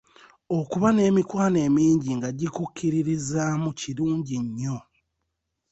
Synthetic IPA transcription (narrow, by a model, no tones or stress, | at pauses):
okuβane̞ːmikwaːne̞ːmiːɲɟiŋɡaɟikucːiɾiɾizamuciɾuːɲɟiɲːo̞